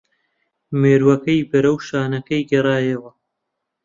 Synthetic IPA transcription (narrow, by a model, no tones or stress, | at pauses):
meːɾwɐkɐjbɐɾɐwʃaːnɐkɐjɡɐraːjewɐ